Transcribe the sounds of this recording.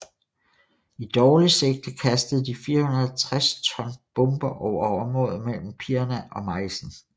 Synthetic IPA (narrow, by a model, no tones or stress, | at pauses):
id̥ɒːliseɡ̥̚d̥əkʰæsd̥əð̩ˠd̥ifiːɐhunɐð̩ˠt͡sʰʁast͡sʰɒ̽nb̥ɔ̽mb̥ɐʔɒʊ̰ɐɒʊɒmʁɔ̽ːð̩ˠmel̰m̩pʰiɐnæʔɒ̽mɑ̈ɪsn̩